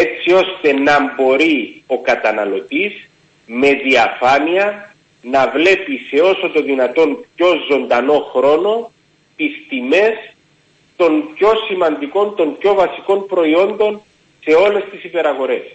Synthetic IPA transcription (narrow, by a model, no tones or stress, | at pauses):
et͡sːio̞st̪e̞nɐmbo̞ɾio̞kɐt̪ɐnɐlo̞t̪iz | me̞ðiɐfɐniɐ | nɐvle̞pise̞o̞so̞t̪oðinɐt̪o̞npço̞zo̞nd̪ɐno̞xɾo̞no̞ | t̪ist̪ime̞s | t̪o̞npço̞simɐnd̪iko̞nt̪o̞mpco̞vɐsiko̞npɾo̞io̞nd̪o̞n | se̞o̞le̞st̪isipe̞ɾɐɣo̞ɾe̞s